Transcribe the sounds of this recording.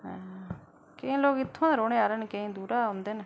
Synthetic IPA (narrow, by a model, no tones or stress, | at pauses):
ɦɛ̃ | kɪĩːloːkɪt̪ʰːõːɾoːɽ̃eːaːɾeːnekeĩːd̪uːɾaːɦʊnd̪eːne